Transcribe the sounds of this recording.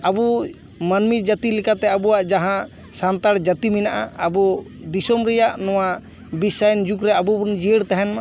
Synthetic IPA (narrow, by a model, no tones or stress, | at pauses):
abu | manmid͡ʒət̪ilikat̪ɛabɔwaʔd͡ʒaɦã | sant̪aɾd͡ʒət̪iminaʔa̰abɔ | d̪isɔmɾɛjaʔnɔwa | bisajnd͡ʒukɾɛabubund͡ʒiəɽt̪ɛɦɛna